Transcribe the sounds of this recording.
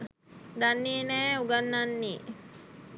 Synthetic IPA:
d̪anːienɛːuɡanːanːi

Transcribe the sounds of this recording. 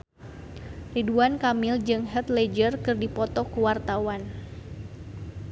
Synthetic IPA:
riduankamɪld͡ʒɨŋɦɛt̪lɛd͡ʒərkɨrdipɔt̪ɔkuwart̪awan

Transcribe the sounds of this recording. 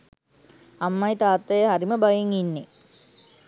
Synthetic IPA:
amːajt̪aːt̪ːɐjəɦaɾiməbajeŋinːe

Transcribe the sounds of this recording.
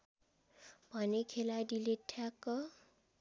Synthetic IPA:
pʌnekʰeladiletʰːakʌ

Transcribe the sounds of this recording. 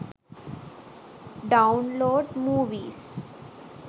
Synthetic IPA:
ɖãʊ̃nloːɖmuːʋiːs

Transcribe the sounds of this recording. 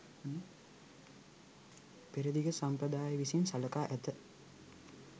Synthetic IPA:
nə | piɾid̪iɡəsampɾəd̪aːjəʋisimsaləkaːʔæt̪ə

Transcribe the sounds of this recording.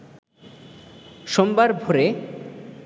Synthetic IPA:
ʃombaɾbʱoɾe

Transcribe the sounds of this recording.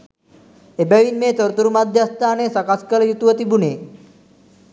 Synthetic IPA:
ebaʋinmet̪əɾt̪uɾumad̪ʱjast̪aːnesakaskəljut̪uʋət̪ibune

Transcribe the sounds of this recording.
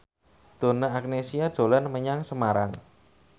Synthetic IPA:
d̪̥o̤naak̚nesiad̥ʒ̥o̤lanməɲaŋsəmaɾaŋ

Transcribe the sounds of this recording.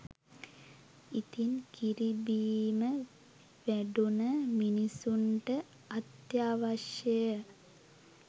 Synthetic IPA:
it̪inkiɾibiːmə | ʋæɖunəminisuɳʈə | at̪jaːʋaʃjəjə

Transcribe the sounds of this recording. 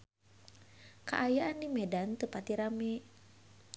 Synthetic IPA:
kaʔajaʔanːimɛdant̪əpat̪iɾamɛ

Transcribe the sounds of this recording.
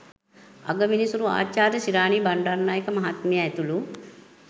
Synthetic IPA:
a̰ɡəminisuɾua̰ːt͡ʃaːɾjəsiɾaːnibaɳɖaɾnaːjekəmɐɦat̪mijaɛt̪ulu

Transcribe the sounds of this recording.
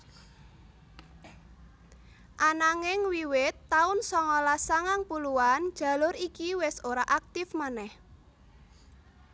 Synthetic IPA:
ʔanaŋɪŋwiwɪt̪ːaʊnsɔŋɔlasaŋaŋpuluand̥ʒ̥a̤lʊɾikiwɪsoɾaʔak̚t̪ɪfmanɛh

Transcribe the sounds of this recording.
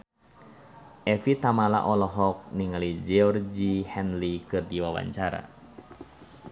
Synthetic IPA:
ʔɛfit̪amala̰ʔɔlɔɦɔk̚niŋalid͡ʒɛɔrɡihɛnlikɨrdiwawa̰ɲt͡ʃaɾa̰

